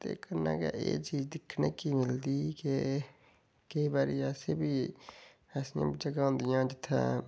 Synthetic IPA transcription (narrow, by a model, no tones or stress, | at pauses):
t̪ḛːkəɾna̰ka̰ʔeːt͡ʃiːd͡ʒd̪ɪkʰnekimɪld̪ike | keibaːɾiaːsebʱiː | asã̰ːbd͡ʒəɡaɦõnd̪ɪjãːd͡ʒɪt̪ʰːã̰